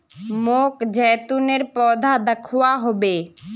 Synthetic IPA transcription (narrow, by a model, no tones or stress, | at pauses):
mokd͡ʒɛːt̪uneɾpɔːd̪ʱad̪əkʰʊaɦobe